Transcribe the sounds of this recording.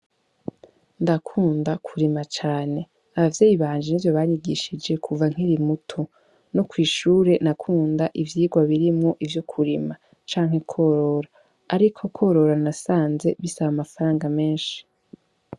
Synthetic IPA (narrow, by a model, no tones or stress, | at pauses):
ndakʰuːndakʰuɾimat͡ʃaːne̞ | aβavjeːjiβaːnd͡ʒenivjo̞βaɲiɡiʃid͡ʒe̞kʰuvaŋ̥hiɾimutʰo | nokwiːʃuːɾe̞nakʰuːndaʔivjiːɡwaβiɾimŋo̞ʔivjo̞kʰuɾima | t͡ʃaːŋ̥he̞kʰo̞ːɾo̞ɾaː | ɾikʰo̞kʰo̞ɾo̞ɾanasaːnze̞βisaβamafaɾaːŋɡame̞ːnʃi̥